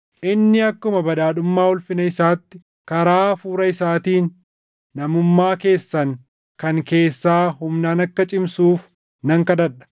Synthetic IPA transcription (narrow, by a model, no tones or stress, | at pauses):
ʔɪnːɪɐkːʊmɐbɐᶑ̪aːᶑʊmːaːɔlfɪnɐɪsaːt̪ːɪ | kɐɾaːfuːɾɐɪsaːt̪iːnː | ɐmʊmːaːke̞ːsːɐŋ | kɐŋke̞ːsːaːɦʊmnaːnɐkːɐt͡ʃʼɪmsuːf | nɐŋkɐd̪ɐᶑɐ̥